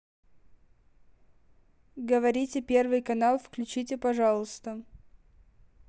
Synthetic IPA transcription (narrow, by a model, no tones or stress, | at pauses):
ɡəvɐɾʲitʲɪpʲe̞rvɨjkɐnalˠfklʲʉt͡ɕitʲɪpɐʐɑlˠəst̪ə